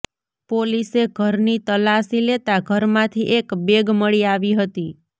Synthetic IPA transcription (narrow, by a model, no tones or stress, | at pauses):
poliseɡʱəɾnit̪əlasilet̪aɡʱəɾmãt̪ʰiʔekbeɡməɭiaʋiɦət̪i